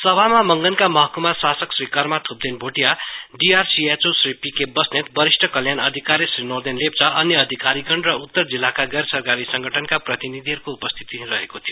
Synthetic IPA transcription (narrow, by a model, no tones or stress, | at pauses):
sʌbʱamamʌŋɡʌnkamʌɦʌkumasasʌksrikarmat̪ʰup̚d̪enbʱoʈijaɖiarsiet͡sosripikebʌsnet̪bʌɾisʈʰʌkʌljanʌd̪ʱikaɾjesrinord̪enlept͡sʌʔʌnjʌːd̪ʱikaɾiɡʌɳrʌut̪ːʌrd͡zilːakaɡʌɾsʌrkaɾisʌŋɡʱʌʈʰʌnkaprʌt̪inid̪ʱiʌɾukoupʌst̪ʰi̥t̪irʌɦekot̪ʰijo